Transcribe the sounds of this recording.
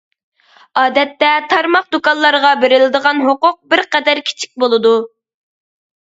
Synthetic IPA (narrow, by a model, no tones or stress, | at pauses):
ɑːd̪ɛt̪ːɛt̪ʰɑɾmɑq̚d̪ukɑnlˠɑɾʁɑbeɾɪlɪd̪əʁɑnɦoqʊq̚bɪɾqɛd̪æɾkʲʰi̥t͡ʃʰi̥k̚ʲbolˠɨd̪u